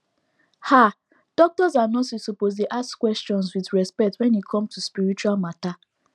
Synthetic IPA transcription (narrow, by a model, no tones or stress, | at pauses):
ha | d̥ɔk̚tɔzanɔtsisupozdeʔaskwɛstɔ̃nswiðɹɛspɛk̚twɛ̃nikʰɔ̃mtuspiɾit͡ʃualmata